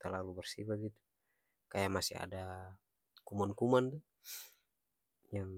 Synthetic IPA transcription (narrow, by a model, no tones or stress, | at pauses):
t̪alalubɛrsibaɡit̪u̥ | kajamasḭɦa̰da | kumankumand̪u | jaŋ